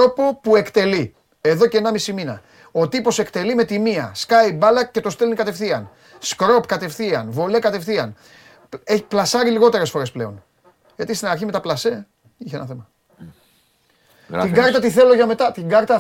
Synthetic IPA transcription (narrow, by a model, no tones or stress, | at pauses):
o̞po̞pue̞kt̪e̞li | e̞ðo̞ceːnɐmisiminɐ̰ | o̞t̪ipo̞se̞kt̪elime̞t̪imiɐ̰skɐjbɐlɐce̞t̪o̞st̪elnikɐt̪e̞fθiɐn | skɾo̞pkɐt̪e̞fθiɐnvo̞le̞kɐt̪e̞fθiɐn | eçi̥plɐsɐɾiliɣo̞t̪e̞ɾe̞sfo̞ɾe̞sple̞o̞n | ʝɐt̪ist̪inɐɾçime̞t̪ɐplɐse̞ | içeenɐθemɐ | t̪iɡɐɾt̪ɐt̪iθe̞lo̞ʝɐme̞t̪ɐt̪iŋɡɐɾt̪ɐ